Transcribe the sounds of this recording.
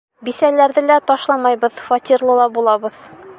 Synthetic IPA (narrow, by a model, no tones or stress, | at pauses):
bisælæɾðɘlæt̪ɒʃlˠɑmɑjbɤðfɒt̪ʲirlˠɤlˠɑbulˠɑbɤð